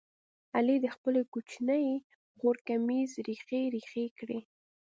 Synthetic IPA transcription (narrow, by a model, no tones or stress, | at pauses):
alid̪əxpəlekut͡ʃnəj | ɣoɾkamizɾixeɾixekɽe